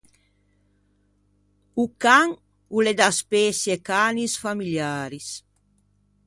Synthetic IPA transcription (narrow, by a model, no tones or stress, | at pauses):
ukaŋ | uled̪aspɛsjekaːnisfamiljaːɾis